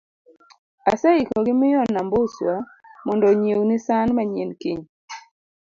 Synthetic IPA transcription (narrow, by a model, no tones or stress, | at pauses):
a̰sɛikɔɡɪmɪjɔnambʊswamɔndɔɲewnɪsanmaɲenkiɲ